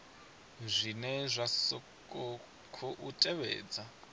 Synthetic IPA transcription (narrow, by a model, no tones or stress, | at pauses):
zʷinɛzʷasɔ | kʼɔ | kʰɔʔutʼɛβɛ̰ːd͡za